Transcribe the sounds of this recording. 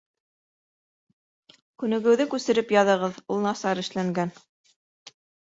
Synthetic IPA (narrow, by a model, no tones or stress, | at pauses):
kʉnɘ̆ɡɘ̆wðɘkʉsɘ̆ɾɘpjɑðɤ̆ʁɤðulˠnɑsɑɾɘ̆ʃlæŋɡæn